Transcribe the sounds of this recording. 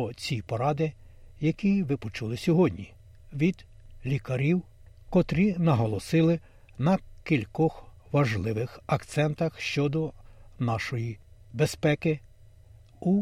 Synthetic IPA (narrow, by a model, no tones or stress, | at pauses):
ɔt͡sʲipɔɾɑd̪ɪ | jɐkʲiʋɪpɔt͡ʃulˠɪsʲɔɦɔdʲnʲi | ʋʲid̪̥ | lʲikɐɾʲiw | kɔt̪ɾʲinɐɦɔlˠɔsɪlˠɪ | nɐkʲilʲkɔx | ʋɐʒlˠɪʋɪxɐkt̪sɛnt̪ɐxʃt͡ʃɔd̪ɔnɑʃɔjibespɛkɪ | u